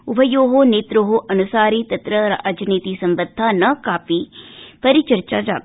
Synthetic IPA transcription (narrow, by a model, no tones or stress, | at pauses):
ʊbʱəjoːɦoːneːt̪ɾoɦoːʔɐnʊsaːɾiːt̪ɐt̪ɾəɾəd͡ʒniːt̪iːsəmbəd̪ʱːãːnɐkaːpiːpəɾit͡ʃəɾt͡ʃaːd͡ʒaː